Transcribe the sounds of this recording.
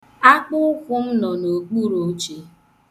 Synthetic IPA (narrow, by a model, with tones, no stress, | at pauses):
a˦k͡pʊ˦ʊ˦kʷʊ˦m̩˦nɔ˨no˨ɡ͡bu˦ɾo˨˦t͡ʃe˦